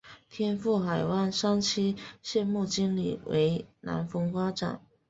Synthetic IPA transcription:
t̪ʰjɛ˥nfu˥˩xa˨˩ɪwa˥˩nʂa˥ŋt͡ɕʰi˥ɕjɛ˥˧nmu˥˩t͡ɕi˥ŋlḭ˨˩we˧˥ɪna̰˧˥nfɤ˧˥ŋfa˥ʈ͡ʂa̰˨˩˦n

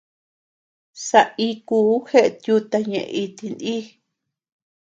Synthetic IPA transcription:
sa˧i˧kuː˧˦he˦ʔe˧t̪ju˧t̪a˧ɲḛ̃˧ʔi˧t̪i˧ndi˦

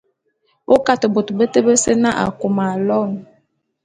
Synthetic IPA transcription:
o˦ka˦tə˨bo˨tbə˦tə˦bə˦sə˦na˦ʔa̰˨ko˨ma˨lɔ˦˨ŋ

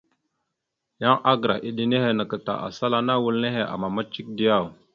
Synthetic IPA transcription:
ja˦ŋa˦ɡɾa̰˨ʔi˨ɗi˦ne˦he˦nə˨kə˨ta̰˨ʔa̰˨sa˦la˦na˦wu˦lne˦ɦe˨ʔa̰˨ma˨ma˦t͡ʃi˦k̚di˦ja˦˨w

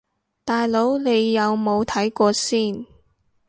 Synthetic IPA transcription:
t̪aː˨jlo˨˥wne˨˧jːɐ˨˧wmo˨˧wt̪ʰɐ˨˥jkɔː˧siː˥˩n

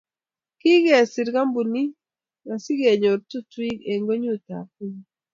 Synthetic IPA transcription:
ki˦ɡɛ˨si˨ɾɡa˦mbu˨ni˦ | ma˨si˦ɡe˨ɲo˨ɾtu˦twi˦ke˨ŋɡo˦ɲu˦t̪a̰˨p̚i˦ɲ

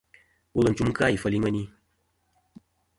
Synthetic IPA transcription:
wo˦lɨ˨n̩˨t͡ʃu˦m̩˦ka˦˨i˨fə˧li˦ŋə˦ni˦

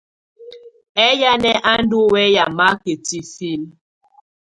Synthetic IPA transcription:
ɛ˦ja˦nɛ˦ʔa˦n̩˦do˦wɛ˦ja˨ma˦ke˨ti˨fi˦l

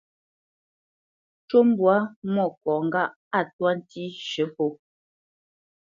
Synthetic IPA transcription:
t͡ʃo˦m˦bwa˨˦mɔ˦˨kɔ˨ŋ̩˦ɡa˦˨ʔ | a˦˨twa˦n̩˦ti˦ʃə˨˦po˦

